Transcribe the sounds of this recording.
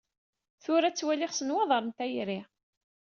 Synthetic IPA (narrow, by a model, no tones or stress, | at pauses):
θʊɾæt͡sːwæliχsənwɑðˤɑɾˤənt̪æjɾi